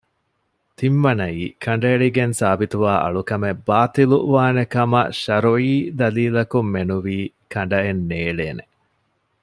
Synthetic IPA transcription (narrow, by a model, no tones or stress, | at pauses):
t̪imʋɐnɐiːkʰɐɳ̆ɖɐeɭiɡensaːbit̪uʋaːʔɐ̰ɭukɐmebaːt̪iluʋaːnekɐmɐ̰ʃɐɾoiːd̪ɐliːlɐkumːenuʋiː | kʰɐɳɖɐenːeːɭeːne